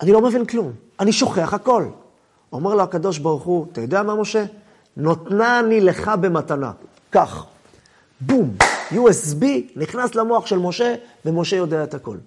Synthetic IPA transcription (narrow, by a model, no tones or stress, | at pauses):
ʔanilo̞me̞vinklum | aniʃo̞χeaχako̞l | o̞me̞ʁlohakado̞ʃ̬baʁuχuat̪ajo̞d̪eamamo̞ʃe̞ | no̞t̪nanile̞χabe̞matana̰ | kaχ | bumjuesbiniχnaslamoaχʃe̞lmo̞ʃe̞ve̞mo̞ʃe̞jo̞deaethako̞̰l